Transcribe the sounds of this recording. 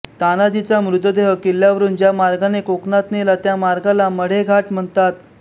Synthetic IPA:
t̪anad͡ʑit͡samɾud̪əd̪eɦəkiljaʋəɾuːnd͡ʑjamaɾɡanekoknat̪nelat̪jamaɾɡalaməɽ̤eɡʱaʈm̤əɳt̪at̪̚

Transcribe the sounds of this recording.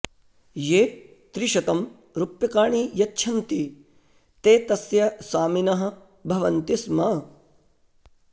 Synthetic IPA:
jeː | t̪ɾiʃɐt̪ɐm | ɾupjɐkaːɳiːjɐtːʃʰɐnt̪i | t̪eːt̪ɐsjɐsaːminɐɦɐ̆ | bʱɐʋɐnt̪ismɐ

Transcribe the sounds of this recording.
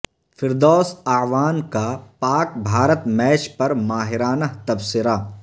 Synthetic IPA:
fɪɾd̪ɔːsaːʋaːnkapaːkbʱaːɾət̪mɛːt͡ʃpɐɾmaːɦɪɾaːnəɦt̪ɐbsɪɾa

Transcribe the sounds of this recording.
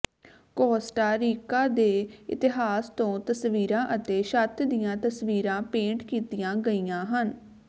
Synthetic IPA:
kɔːsʈaːɾiːkaːd̪eːɪ̰t̪ɪɦaːst̪õːt̪əsʋiːɾãːʔət̪eːʃət̪ʰd̪ijãːt̪əsʋiːɾãːpẽːɳʈkiːt̪ijãːɡəijãːɦən

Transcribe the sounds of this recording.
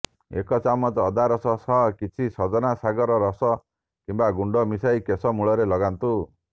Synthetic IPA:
ḛkɔt͡ʃamɔt̪ːd̪aɾɔsɔsʰɔkit͡ʃʰisɔd͡ʒɔnasaɡɔɾɔɾɔsɔ | kimbaɡuɳɖɔmisajkesɔmuɭɔɾelɔɡant̪u

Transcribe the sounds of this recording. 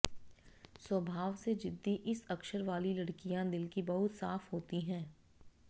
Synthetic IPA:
swəbʱaːʋsed͡ʒɪd̪ʱːiʔɪsɐkʃəɾʋaːlilɐɽkijãd̪ɪlkibɐɦʊt̪sa̰ːfɦoːt̪iɦɛ̃ː

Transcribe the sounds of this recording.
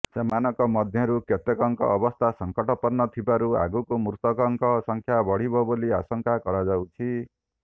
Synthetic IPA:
semanɔkɔmʌd̪ʱjʌɾukɔt̪ekɔŋkɔ̰ʔːbɔst̪ʰasʌŋkɔʈɔpɔrnɔt̪ʰibaɾua̰ɡukomuɾt̪ɔkɔŋkɔsʌŋkʰjabɔɽ̤ibʱɔbolia̰sɔŋkakɔɾad͡zawt͡ʃʰi

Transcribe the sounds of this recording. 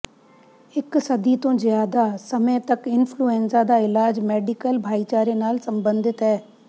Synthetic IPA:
ɪksəd̪iːt̪õːzɪjaːd̪aːsəmət̪əkɪnpʰluːɛːnsaːd̪aːɪlaːd͡ʒmɛːɖɪkəlbʱaːiːt͡ʃaːɾeːnaːlsəmbə̃nd̪ɪt̪ɦɛː

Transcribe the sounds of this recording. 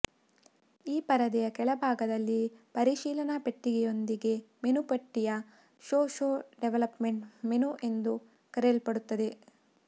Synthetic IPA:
iːpɐɾɐd̪ɛjɐkɛɭɐbʱaːɡɐd̪ɐlːipɐɾiʃiːlɐnɐpe̞ʈːiɡɛjo̞nd̪iɡe̞me̞nupɐʈːijɐ | ʃoːʃoːɖeʋɐlɐpmeɳʈmenuʔe̞nd̪u | kɐɾelpɐɽut̪ːɐd̪e̞

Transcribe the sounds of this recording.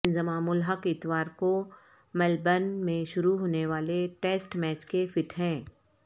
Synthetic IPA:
ɪnzəmaːmʊlɦəkɪt̪ʋaːɾko | mɛlbənmẽʃʊɾuɦoːneʋaːleʈeːsʈmɛːt͡ʃkefɪʈɦɛ̃ː

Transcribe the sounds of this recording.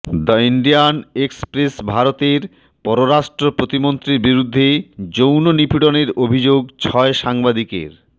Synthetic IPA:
d̪ɔiɳɖianekspɾesbʱaɾot̪eɾ | pɔɾoɾaʃʈɾopɾot̪imont̪ɾiɾbiɾud̪ʱːed͡ʑownonipʰiɽoneɾobʱid͡ʑoɡ̚t͡ɕʰɔeʃaŋbad̪ikḛɾ

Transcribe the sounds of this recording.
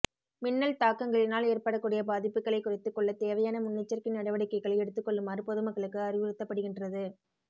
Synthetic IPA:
mɪnːɐlt̪aːkːɐŋɡɐɭɪnaːleːrpɐɽɐkːuːɽɪjɐbaːðɪpːɯkːɐɭɐɪkːʊrɪt̪ːɯkːɔɭːɐt̪eːʋɐjaːnɐmʊnːɪt͡ʃːɐrkɪnnɐɽɐʋɐɽɪkːɐɪɣɐɭɐɛɽɯt̪ːɯkːɔɭːɯmɐːɾrɯpɔðɯmɐkːɐɭɯkːɯɐrɪʋɯɾɯt̪ːɐpːɐɽɯɣɪndrɐðɯ

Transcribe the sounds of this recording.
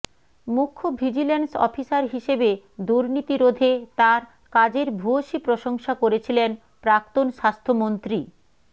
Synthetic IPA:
mukʰːobʱid͡ʑilensɔ̰fʰisaɾɦiʃebe | d̪uɾnit̪iɾod̪ʱet̪aɾ | kad͡ʑeɾbʱuoʃipɾoʃoŋʃakoɾet͡ɕʰilen | pɾak̚t̪onʃast̪ʰomont̪ɾi

